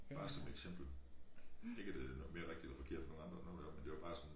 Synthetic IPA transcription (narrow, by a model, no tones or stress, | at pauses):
ɑ̈ːsɒ̽meɡ̥sem̰b̥l̩ | e̝ɡ̥əd̥e̝ænˠme̝ːɐʁɛɡ̥d̥i̥elɐfɒ̽kʰe̝ɐ̰̥fɒno̝ŋ̩ɑ̈nd̥ʁɐnoːn̩dæmend̥e̝ʋab̥ɑ̈ːsɒ̽n